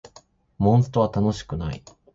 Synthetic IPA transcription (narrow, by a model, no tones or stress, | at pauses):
mõ̞ɰ̃sɨ̥t̪o̞β̞at̪ano̞ɕi̥kɯ̟nai